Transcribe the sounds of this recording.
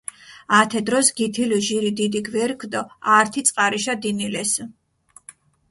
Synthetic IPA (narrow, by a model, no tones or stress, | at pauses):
at̪ʰɛd̪ɾɔsɡit̪ʰiluʒiɾid̪id̪iɡvɛɾkʰd̪ɔaɾt̪ʰit̪sʼqʼaɾiʃad̪inilɛs